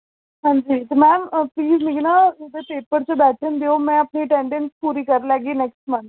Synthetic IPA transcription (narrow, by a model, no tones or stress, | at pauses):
ɦãːɲd͡ʒiːt̪emɛ̃ːmpliːzmiɡinad̪epeːpəɾt͡ʃəbɛːʈʰənd̪eoːmɛ̃ːɐpniʈɛ̃ːɳɖə̃nspuːɾiːkəɾlɛːɡiːnɛksʈmə̃nt̪